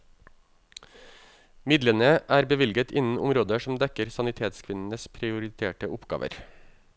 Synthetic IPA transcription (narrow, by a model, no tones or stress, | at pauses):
mɪd̪lənəʔæːɾbəʋɪlɡət̪ʰɪnn̩ʊmɾoːd̪əʃm̩d̪ɛkəɾsɑnɪt̪ʰeːt̪skʰʋɪnn̩əspʰɾɪʊɾɪt̪ʰḛːʈəʔʊpɡ̥ɑ̰ːʋʔə̰ɾ